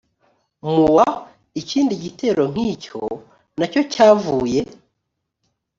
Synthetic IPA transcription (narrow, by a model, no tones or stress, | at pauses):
muwa | iciːndiɟite̞ːɾo̞ŋ̥iːco̰ | naco̞caːvuːje̞